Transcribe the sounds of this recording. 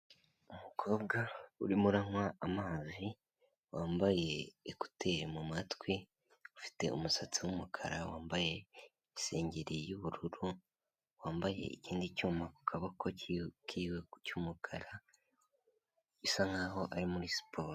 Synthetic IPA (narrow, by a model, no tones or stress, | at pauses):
umukʰo̞ːb̚ɡaṵɾimuɾaŋwaʔːmaːzi | waːmbaje̞ːku̥tʰe̞ɾmumatwi | ufi̥te̞̰ṵmusat͡siwumukʰa̰ɾawaːmbaje̞ | ise̞ːɲɟeɾijuβuɾuɾu | waːmbajḛḭciːndicuːmaku̥kʰaβakʰokʰiːwecuːmukʰaɾa | isaŋɡaɦo̞ʔaɾimuɾisi̥pʰo̞ːɾo